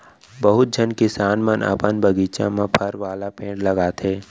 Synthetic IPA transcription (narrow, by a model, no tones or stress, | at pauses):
bəɦʊt̪̚d͡ʒʱənkɪsaːnmənə̰pənbəɡiːt͡ʃã̰mẽpʰəɾʋaːlapẽːʈlɐɡaːt̪ʰeː